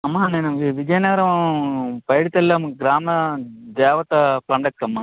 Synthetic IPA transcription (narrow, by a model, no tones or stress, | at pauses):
ɐmːaneːnɐʋʋid͡ʒɐjnɐɡɐɾɐʋ | pɐjɽit̪ːɐlːɐɐmɐkɯɡɾaːmɐd̪eːʋɐt̪ɐpɐɳɖɐkːɐmːɐ